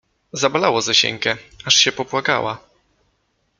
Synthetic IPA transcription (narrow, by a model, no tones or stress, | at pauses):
zabalawɔzaɕɛ̰ŋkɛaʂɕɛpɔpwaka̰wʔa̰